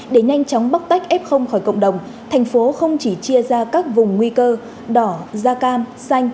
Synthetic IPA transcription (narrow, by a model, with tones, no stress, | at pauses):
ɗe˧˩ɲa˧jŋ̟t͡ɕɔ˨˦wŋ͡mɓa˦˥t̚t̪a˦˥jk̚ʔɛ˦˥p̚xə˧wŋ͡mxɔ˧˩jkə̰˧˨wŋ͡mɗə˨˩wŋ͡m | t̪ʰɛ˨˩jŋ̟fo˨˦xə˧wŋ͡mt͡ɕi˧˩t͡ɕi˧əzaː˧kaː˦˥k̚vʊ˨˩ŋ͡mːwi˧kəː˧ | ɗɔ˧˩zaː˧kaː˧msa˧jŋ̟